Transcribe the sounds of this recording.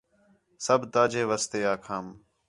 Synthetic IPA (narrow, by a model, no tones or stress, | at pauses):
səbt̪aːd͡ʒeːʋəst̪eːaːkʰaːm